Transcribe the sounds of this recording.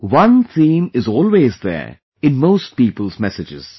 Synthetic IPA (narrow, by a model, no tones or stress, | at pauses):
wʌ̃nt̪ʰĩːmɪzɔːlweːzd̪ɛ̰ | ɪ̃nmoːst̚piːpəlzmɛsɪd͡ʒɪ̰z̥